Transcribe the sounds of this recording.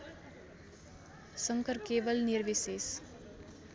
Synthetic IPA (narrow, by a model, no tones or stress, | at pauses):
səŋkəɾkeːʋəlniɾʋises